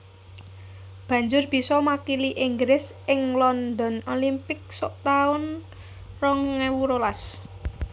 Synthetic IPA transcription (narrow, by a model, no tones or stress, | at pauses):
b̥ä̤ɲd͡ʒʊrb̥i̤sɔmakiliʔɪŋɡɾɪs | ɪŋlɔnd̪ɔ̤nolimpɪk̚sɔʔt̪aʊn | rɔŋŋewuɾolas